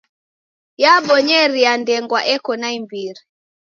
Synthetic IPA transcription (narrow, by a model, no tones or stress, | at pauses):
jaɓɔɲɛɾiandɛŋɡwaʔɛkɔnaimbiɾi